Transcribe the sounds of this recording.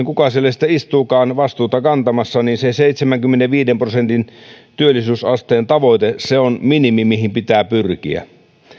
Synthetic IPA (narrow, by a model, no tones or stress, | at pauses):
ŋkukɑselːesit̪ːˑeist̪uːkɑːnʋɑst̪uːt̪ɑkɑnt̪ɑmɑsːɑniːnseseit̪semæŋkymːeneʋiːdemprosent̪int̪yølːˑisyːsɑst̪eːnt̪ɑʋoˑit̪eseonminimimihimpit̪æːpyrkḭæ̰